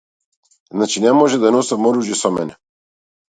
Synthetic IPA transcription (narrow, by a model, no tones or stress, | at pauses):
znat͡ʃinɛmoʒɛd̪anosamoɾuʒjɛsamɛ̰nɛ